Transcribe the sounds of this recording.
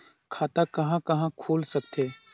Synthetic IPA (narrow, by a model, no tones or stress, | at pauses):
kʰaːt̪akɐɦãkɐɦãkʰoːlsɐk̚t̪eː